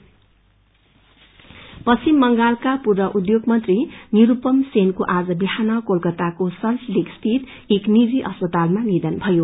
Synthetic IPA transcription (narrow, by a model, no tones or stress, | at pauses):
pʌsimːʌŋɡalkapurbʌʔud̪joɡmʌnt̪riniɾupʌmsenkoʔad͡zʌbihanʌkolkʌt̪akosʌnslikst̪ʰit̪ | eknid͡ziʔʌspʌt̪almanid̪ʌnbʱʌjo